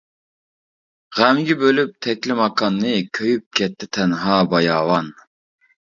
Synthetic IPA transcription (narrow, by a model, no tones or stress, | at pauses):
ʁæmɡʲɛbølyp̚t̪ʰɛkʲlɪmɑqʰɑnːɨkʲʰøjyp̚kʲʰɛt̪ʰːɪt̪ʰɛnɦɑːbɑjɑːwɑn